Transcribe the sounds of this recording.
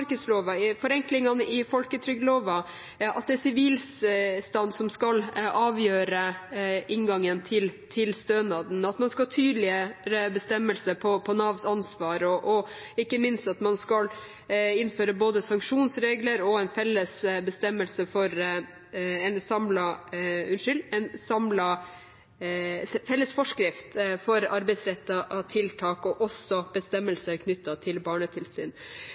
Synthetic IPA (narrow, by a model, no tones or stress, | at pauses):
ɾkəd̪sloːʋɑfɔɾɛŋklɪŋɑnəɪfɔlkət̪ʰɾʏɡloːʋɑ | ʔɑt̪̚d̪ɛæsɪʋiːlsst̪ɑnd̪sɔmskɑlɑːʋjøːɾəɪŋɡɑŋənt̪ʰɪlt̪ʰɪlst̪øːnɑd̪n̩ɑt̪mɑnskɑlt̪ʰyːd̪lɪəɾəbəst̪ɛmːəlsəpʰɔpʰɔnɑʋsɑnsʋɑːɾɔʔɔ | ɪkːəmɪnst̪ɑt̪mɑnskɑl | ɪnføːɾəboːd̪əsɑŋkʂuːnsɾeːɡləɾɔɛɪnfɛlːəsbəst̪ɛmːəlsəfɔɾ | ɛnsɑmlɑʉnʂʏlɛnsɑmlɑ | fɛlːəsfɔʂkɾɪft̪fɔɾɑɾbɛɪsɾɛt̪ːɑʔɑt̪ʰɪlt̪ʰɑːkɔʔɔsːɔb̥əst̪ɛmːəlsəæɾkʰnʏt̪ːɑt̪ʰɪlbɑːɳət̪ʰɪlsy̰ːn